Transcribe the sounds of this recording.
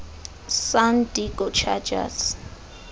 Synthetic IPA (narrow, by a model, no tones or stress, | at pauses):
sandikʼɔt͡ʃʰa̰d͡ʒa̰s